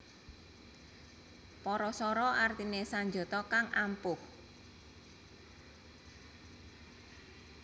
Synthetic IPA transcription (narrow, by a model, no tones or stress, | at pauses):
pɔɾɔsɔɾɔʔart̪inesaɲd͡ʒo̤t̪ɔkaŋʔampʊh